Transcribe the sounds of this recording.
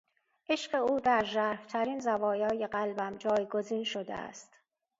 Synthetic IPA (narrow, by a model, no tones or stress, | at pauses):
ʔeʃɢe̞uːd̪æɾʒæːɾft̪ʰæɾiːnzævɒːjɒːje̞ɢælbæmd͡ʒɒːjɡo̞ziːnʃod̪ḛæ̰st̪